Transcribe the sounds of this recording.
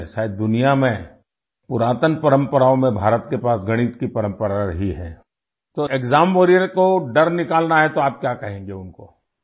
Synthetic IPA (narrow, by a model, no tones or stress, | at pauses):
ʃaːɪd̪̚d̪ʊnijamẽ | pʊɾaːt̪ənpɐɾə̃mpəɾaːõmẽbʱaːɾət̪kepaːsɡɐɽ̃iːt̪kipɐɾə̃mpəɾaɾəɦiɦɛ̰̃ː | t̪oekzaːmpoːɾijəɾkoɖɐɾnɪkaːlnaɦɛt̪oaːp̚kjaːkɐɦẽːŋ̆ɡeʊnko̰